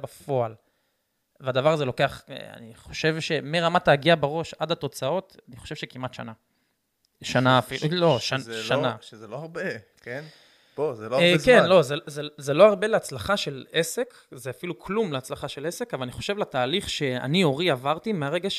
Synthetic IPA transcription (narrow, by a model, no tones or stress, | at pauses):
bafo̞al | vead̪avaʁazelo̞ke̞aχḛa̰niχo̞ʃe̞vʃe̞meʁamataːɡiabaʁo̞ʃadato̞t͡sao̞taniχoʃe̞vʃekimatʃa̰na | ʃanafiloaʃanazeloaʁbe | ken | bozelokenlo̞zezezelo̞aʁbeleat͡slaχaʃe̞lese̞k | zeafilukʰlumleat͡slaχaʃelese̞kavalaniχo̞̥ʃe̞vlataːliχʃe̞a̰nio̞ʁiavaʁtimeaʁeɡaʃ